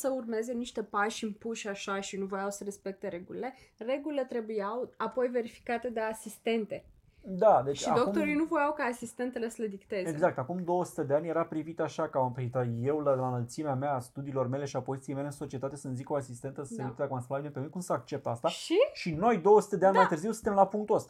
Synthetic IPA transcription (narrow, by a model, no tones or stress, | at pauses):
səurme̞ze̞niʃt̪e̞paʃɨmpuʃʲaʃaʃinuvojawsəɾe̞spe̞k̚t̪e̞ɾe̞ɡulile̞re̞ɡulile̞t̪ɾe̞bujawapo̞jve̞ɾifi̥kat̪e̞d̪easist̪e̞nt̪e̞ | d̪ad̪e̞ʃt͡ʃʲidak̪okut̪oɾijnuvo̞jawkaːsist̪e̞nt̪e̞le̞səled̪ikt̪e̞zeɡzakt̪akumd̪o̞wəsu̥t̪e̞d̪e̞anʲje̞ɾapɾivit̪aʃakəmampɾivit̪əje̞wlalanəlt̪simeameaːst̪ud̪iːlo̞rme̞le̞ʃiapo̞zit̪siemleɨnso̞t͡ʃiet̪at̪e̞sənziko̞asist̪e̞nt̪əseut̪ed̪ekumast̪labinepeunkumsəak̚t͡ʃe̞p̚t̪ast̪aʃiʃino̞jd̪o̞wəsu̥t̪e̞d̪eanʲmajt̪ɨrziwsɨnt̪emlapuŋkt̪uəst̪a